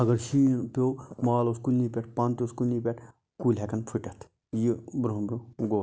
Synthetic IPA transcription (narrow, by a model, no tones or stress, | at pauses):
ɐɡɐɾʃiːnpʲoːmaːloskulnipʲeʈʰpant̪oskulnipʲeʈʰ | kulɦekɐnpʰiʈɐt̪ʰ | jibɾɦũbʲõɡoː